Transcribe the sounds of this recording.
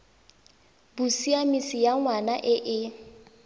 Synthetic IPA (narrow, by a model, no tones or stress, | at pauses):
busiamisijaŋwanaʔɪʔɪ